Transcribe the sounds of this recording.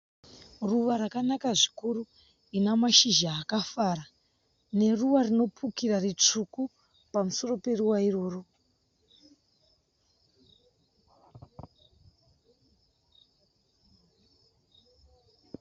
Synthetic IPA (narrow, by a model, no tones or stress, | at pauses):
ruʋaɾakanakaʐikuɾu | inamaʃiʒaːkafaɾa | ne̞ruʋarino̞pʰukirarit͡ʂuku | pamuso̞ro̞pe̞ruʋairo̞ːro